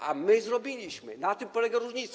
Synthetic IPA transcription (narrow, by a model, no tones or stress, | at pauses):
a̰mɘzɾɔbʲilʲiɕmɘ̰nat̪ɪmpɔlɛɡaɾuʐɲit̪